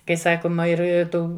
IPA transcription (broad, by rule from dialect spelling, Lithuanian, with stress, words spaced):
kɐɪ ˈsɑːkoːmɐ ˈɪr ɪ ˈtuː